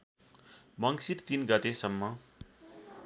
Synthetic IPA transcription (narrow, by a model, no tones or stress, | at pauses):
mʌŋsit̪t̪inɡʌt̪esʌmːʌ